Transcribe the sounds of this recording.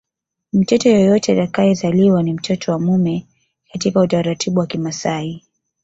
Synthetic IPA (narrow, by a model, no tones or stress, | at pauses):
m̩t͡ʃɛtɔjɔjɔtɛatakajɛzaliwanim̩t͡ʃɛtʰɔwamumɛ | katikautaɾatʰiɓuwakimasai